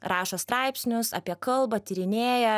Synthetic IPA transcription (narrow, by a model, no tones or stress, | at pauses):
ɾɑːʃɐst̪ɾɑˑɪpʲsʲnʲʊsɐ̰pʲiɛkɐlˠbɐt̪ʲɪɾʲɪnʲeːjɛ